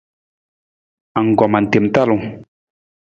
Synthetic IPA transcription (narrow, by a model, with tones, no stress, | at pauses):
a˨ŋ˨ɡɔ˨ma˨n̩˨te˨mt̪a˦lu˨